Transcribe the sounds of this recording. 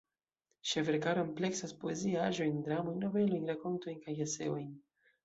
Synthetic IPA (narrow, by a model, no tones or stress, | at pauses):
ʃeve̞ɾkaɾomple̞ksaspo̞eziaʒo̞jndɾamo̞jnːo̞ve̞lo̞jnɾako̞nto̞jnkajese̞̰o̞jn